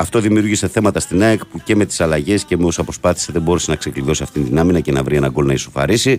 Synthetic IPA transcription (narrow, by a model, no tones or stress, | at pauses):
ɐft̪o̞ðimiuɾʝise̞θe̞mɐt̪ɐst̪inɐekpuce̞me̞t̪i̥sɐlɐʝe̞sce̞meosɐpɾo̞spɐθi̥se̞ðebo̞ɾesenɐkse̞kliðo̞siɐft̪int̪inɐminɐce̞nɐvɾie̞nɐɡo̞lnɐisofɐ̰ɾisi